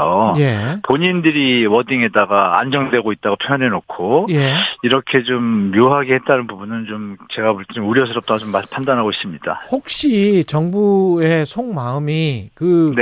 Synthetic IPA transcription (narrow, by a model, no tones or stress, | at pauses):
oje̞poɲindɯɾiwʌdiŋe̞daɡaa̰nd͡ʑʌŋdwe̞ɡoit̚t͈aɡopʰjojʌne̞nokʰojeiɾʌkʰe̞t͡ɕomːjoɦaɡehe̞t̚t͈anɯnbubunɯnt͡ɕomt͡ɕe̞ɡapoɭt͡ɕʰeuɾjʌs̬ʰɯɾʌp̚t͈aɡat͡ɕomːapʰandanɦaɡois͈ɯmɲid̥a̰hok̚ɕ͈it͡ɕʌŋbue̞sʰoŋmaɯmikɯne